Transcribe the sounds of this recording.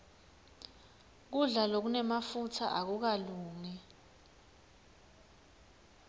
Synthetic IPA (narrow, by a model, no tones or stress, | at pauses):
k̬uɮalok̬unɛmafutʰa̰ʔak̬uk̬aluːŋɛ